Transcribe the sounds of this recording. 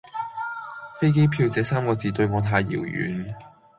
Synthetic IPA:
fe˥jke˥jpʰiː˧wt͡sɛː˨˧saː˥mkɔː˧t͡siː˨˧t̪ɵ˧ɥŋɔː˨˧t̪ʰaː˧jːḭː˨˩wjy̰ː˨˥n

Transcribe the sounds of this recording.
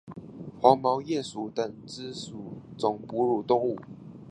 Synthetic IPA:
xwɑ˧˥ŋmɑ˧˦ʊjɛ˥˨su˨˦t̪ə˨˩nt͡s̩˦su˨˩˦t͡sʊ˨˩ŋpu˧˥ɻu˨˩t̪ʊ˥ŋu˥˨˩

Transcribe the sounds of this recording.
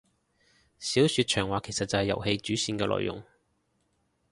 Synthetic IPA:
siː˨˥wsyː˨˧t̚t͡ʃʰœː˨˩ŋwaː˨kʰe˨˩jsɐ˨t̚t͡sɐ˨whɐ˨jːɐ̰˨˩whe˧jt͡ʃyː˨˥siː˧nkɛː˧lɔ̰ː˨jʔʊ̰˨˩ŋ

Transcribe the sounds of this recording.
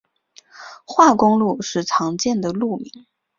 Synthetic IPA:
xwa˥˩kʊ˥ŋlu˥˧ʂɻ̩˥˩t͡sʰɑ˧˥ŋt͡ɕjɛ˥˩nd̪ə˩lu˥˩mi˧˥ŋ

